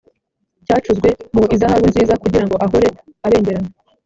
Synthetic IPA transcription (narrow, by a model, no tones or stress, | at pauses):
caːt͡ʃuzɡwe̞muizahaβwinziːzakuɟiɾaŋɡo̞ʔaɦoɾe | aβe̞ːɲɟe̞ɾana